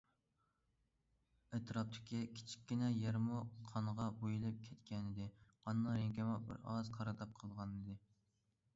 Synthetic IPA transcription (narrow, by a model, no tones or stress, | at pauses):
æt̪ɾɑp̚t̪ʰɪ̥kʲikʲʰi̥t͡ʃʰi̥kʲːinɛjɛɾmuqʰɑnʁɑbojilˠɨp̚kʲʰɛt̪kʲɛnɪd̪ɪqɑnːɑɾeŋɡʲɛmɑbɪ̰ɾɑ̰zqʰɑɾɨd̪ɑp̚qʰəlˠʁɑnɨd̪ɨ